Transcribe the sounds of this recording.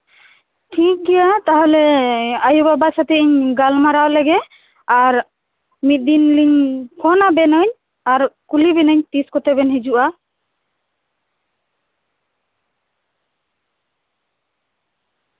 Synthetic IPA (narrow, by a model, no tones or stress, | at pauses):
ʈʰik̚ɡɛjat̪aɦɔlɛajubabasat̪ɛiɲɡalmaɾawlɛɡɛ | aɾ | mit̪̚d̪inliɲkʰɔnabɛnəɲ | aɾkulibɛnəɲt̪iskɔt̪ɛbɛnɦɛd͡ʒuʔa